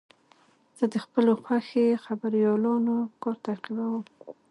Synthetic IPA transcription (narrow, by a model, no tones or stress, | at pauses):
z̥əd̪əxpəloxwaxexabaɾjɑlɑnokɑɾt̪aqibawəm